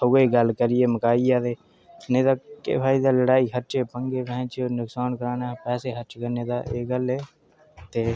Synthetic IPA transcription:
əɡeːɡəlkəɾɪjeːməkaːijaːd̪eː | neːd̪aːkḛːpʰaːɪd̪aːləɽaːiɦəɾt͡ʃeːpəŋɡeːbɛ̃t͡ʃnʊksaːnkəɾaːnaːpɛːseːɦəɾt͡ʃkəneːd̪a̰ːʔeːɡəlɦeː | t̪eː

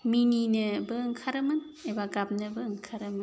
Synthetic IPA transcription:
mininɯbɯŋkʰaɾɯmɯn | ebaɡap̚nɯbɯŋkʰaɾɯmɯn

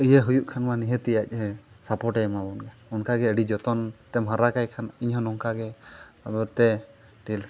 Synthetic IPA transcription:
ijəɦujuʔkʰanmaniɦət̪ijac̚ˀɦɛ | sapɔʈɛjmabɔnɡɛ | ɔnkaɡɛəɖid͡ʒɔt̪ɔnt̪ɛmɦaɾakajkʰaniɲɦɔnɔŋkaɡɛ | abɛɾt̪ɛ | ʈil

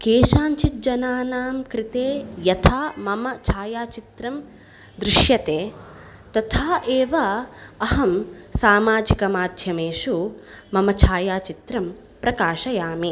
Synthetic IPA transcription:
keːʃaːɲt͡ʃit̪̚d͡ʒɐnaːnaːmkɾɪt̪eːjɐt̪ʰaːmɐmɐt͡ʃʰaːjaːt͡ʃit̪ɾɐm | d̪ɾɪʃjɐt̪eː | t̪ɐt̪ʰaːʔeːʋɐɐɦɐmsaːmaːd͡ʒikɐmaːd̪ʱjɐmeːʃumɐmɐt͡ʃʰaːjaːt͡ʃit̪ɾɐm | pɾɐkaːʃɐjaːmi

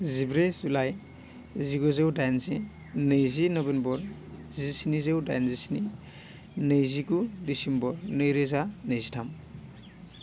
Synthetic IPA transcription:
zibɾezulaj | ziɡɔzewdajnzi | nɯjzinɔbenbɔɾ | zisinizewda̰jnzisini | nɯjziɡudisimbɔɾnɯjɾezanɯjzitʰam

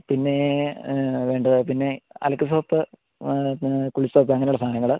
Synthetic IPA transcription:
pinːe̞ | ʋe̞ːɳɖɐðɨpinːe̞ɐ̰lɐkːɨs̬oːp̪ːɨ | kuɭisoːpːɨɐŋːɐnjuɭːɐst̪ʰaːnɐŋːɐɭ

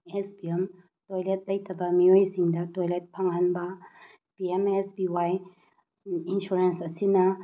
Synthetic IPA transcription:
ɛsbiɛm | tojlet̚lɐjtʰɐbɐmiojsiŋdɐtojlet̚pʰaŋanbɐ | piemɛsbiwaj | insuɾensɐsinɐ

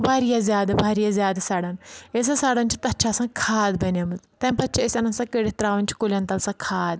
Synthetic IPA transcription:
bʱaːɾijazʲjaːd̪abʱaːɾijazʲjaːd̪ɐsɐɽɐnes̬ɐ̃saːɽɐnʲt͡ʃʰi̥t̪ɐt͡ʃʰaːsɐ̃kʰaːd̪bɐnɐmɨt̪t̪ɐ̃pɐtːt͡ʃʰiesʲɐnɐnsɐ̃keɽit̪ɾaːʋɐnʲt͡ʃʰi̥kulʲɐnt̪ɐlsɐ̃kʰaːd̪

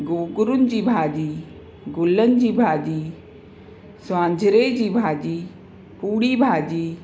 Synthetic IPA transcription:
ɡoːɡʊɾʊnd͡ʑiːbʱaːd͡ʒiː | ɡʊlːənd͡ʑiːbʱaːd͡ʒiː | sʋãːɲd͡ʒʱɾeːd͡ʑiːbʱaːd͡ʒiː | puːɽiːbʱaːd͡ʒiː

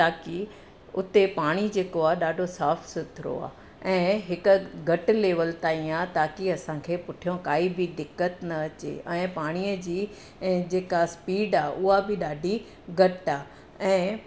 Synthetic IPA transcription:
t̪aːki | ʊt̪epaːɽ̃id͡ʑeːkoaːɗaːɖʱosaːfsʊt̪ʰɾo̰a̰ː | ɛ̃ːɦɪkʊ̆ɡɐʈ̆leːʋəlt̪aːĩaːt̪aːkiɐsãkʰeːpʊʈʰijõkaːibɪd̪ɪkːət̪nɐɐt͡ɕḛɛ̃ːpaːɽ̃iəd͡ʑĩː | d͡ʑeːkaspiːɖaːʔʊɦabɪɗaːɖʱi | ɡɐʈaː | ɛ̃ː

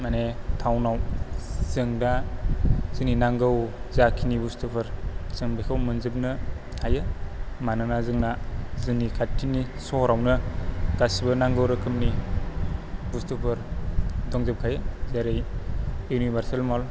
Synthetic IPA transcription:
manetʰawnawz̥ɯŋda | zɯninaŋɡɯwzakʰinibustupʰɯɾz̥ɯŋbekʰawmɯnzɯp̚nɯ | tʰajɯmanɯnazɯŋnazɯnikʰatʰːini | sɔɾawnɯɡ̥asibɐnaŋɡɯwɾɯkʰɯmni | bustupʰɯɾdɔŋzɯp̚kʰajɯzaɾɯj | unibʱaɾsalmɔl

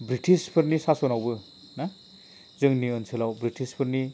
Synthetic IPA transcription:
bɾitʰispʰɯɾnisasɔnawbɯ | na | zɯŋniɯnsʰɯlawbɾitʰispʰɯɾni

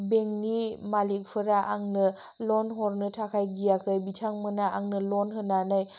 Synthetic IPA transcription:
beŋnimalik̚pʰɯɾaʔaŋnɯ | lɔnɦɔɾnɯtʰakʰajɡijakʰɯjbitʰaŋmɯnaaŋnɯlɔnɦɯnanaj

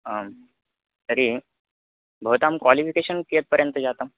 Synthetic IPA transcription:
əm | t̪əɾi | bʱəʋt̪amkʋalifikeɕənkiet̪̚pəɾjənt̪əd͡ʑat̪əm

